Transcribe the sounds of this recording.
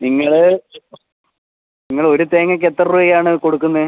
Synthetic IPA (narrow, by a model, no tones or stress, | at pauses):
niŋːɐɭɨ | niŋːɐɭo̞ɾut̪e̞ːŋːɐk̬ːet̪ːɐruɐaːɳɨko̞ɽukːunːɐ